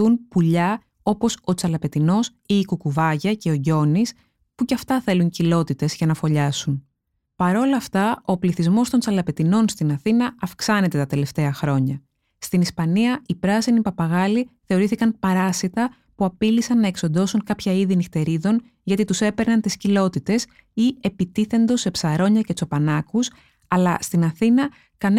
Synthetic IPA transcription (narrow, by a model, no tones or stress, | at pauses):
unpuʎɐ | o̞po̞so̞t͡sɐlɐpe̞t̪ino̞s | iːkukuvɐʝɐce̞o̞ʝo̞nis | puceɐft̪ɐθe̞luɲcilo̞t̪it̪e̞zʝɐnɐfo̞ʎɐsun | pɐɾo̞lɐft̪ɐʔo̞pliθizmo̞st̪o̞nt͡sɐlɐpe̞t̪ino̞nst̪inɐθinɐːfksɐne̞t̪e̞t̪ɐt̪e̞le̞ft̪e̞ɐxɾo̞ɲɐ | st̪inispɐniɐipɾɐsinipɐpɐɣɐliθe̞o̞ɾiθikɐnpɐɾɐsit̪ɐ | puɐpilisɐnːɐe̞kso̞nd̪o̞suŋkɐpçɐiðinixt̪e̞ɾiðo̞n | ʝɐt̪it̪use̞pe̞ɾnɐnt̪iscilo̞t̪it̪e̞s | ie̞pit̪iθe̞nd̪o̞sːe̞psɐɾo̞ɲɐce̞t͡so̞pɐnɐkus | ɐlɐst̪inɐθinɐ | kɐn